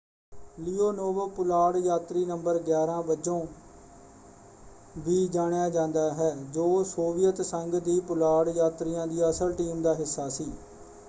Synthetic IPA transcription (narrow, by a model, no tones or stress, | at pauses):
liːoːnoːʋəpʊlaːɽjaːt̪ɾiːnəmbəɾɡjaːɾãːbəd͡ʒõː | ʋiːd͡ʒaːɽ̃ejaːd͡ʒãːnd̪aːɦɛːd͡ʒoːsoːʋɪjət̪səŋɡd̪iːpʊlaːɽjaːt̪ɾɪjãːd̪iːəsəlʈiːmd̪aːɦɪsːaːsiː